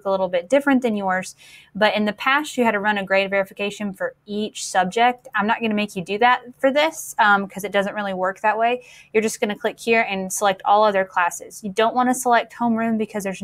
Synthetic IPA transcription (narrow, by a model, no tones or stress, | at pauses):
kəlɪɾl̩ˠbɪt̚d̥ɪfɹɨ̃nðɨ̃njɔɹz̥ | b̥ʌɾɨ̃nðɨpʰæsɨɨd̚tʰɨɹʌ̃ñɨɡɹeɪtvɛɹɨfɨkʰeɪʃɨ̃nfə˞it͡ʃsʌb̚d͡ʒɪk̚tãɪ̃mnət̚ɡ̥ʌnɨmeɪkjɨdɨðæt̚fə˞ðɪsʌ̃mkʰʌzɨt̚d̥ʌzɨ̃nʔ̚ɹɪlˠiwɜ˞k̚ðɨʔ̚weɪ | jə˞d͡ʒʌsɡ̥ʌnɨkʰl̥ɪkhiɹɨ̃nsəlɛk̚tʰɔlˠʌðə˞kʰl̥æsɨ̰z̥jɨdõʊ̃nʔwɑ̃ñɨsəlɛk̚t̚hõʊ̃mɹʉ̃mbɨkʰʌzðə˞z